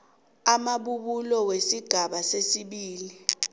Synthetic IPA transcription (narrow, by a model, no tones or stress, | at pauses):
amaɓuɓulɔwesiɡ̥ʱaɓasesiɓiːli